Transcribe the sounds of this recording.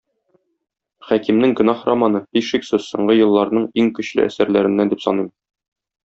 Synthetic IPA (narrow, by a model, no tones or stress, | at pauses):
χækimnɘŋɡɵ̆nɑχramanɤbiʃiksɘzsŏ̰ɴɢɤjɤ̆lˠːɑɾnɤɴiŋkɵ̆ɕlɘ̰æ̰sæɾlæɾɘ̆nːænd̪ipsɒ̰nim